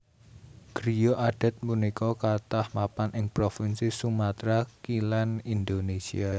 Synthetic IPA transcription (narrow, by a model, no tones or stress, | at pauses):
ɡ̥ɾijoʔaɖ̥a̤t̪̚munikɔkat̪ahmapanʔɪŋpɾofinsisumat̪ɾakilɛnind̪onesḭa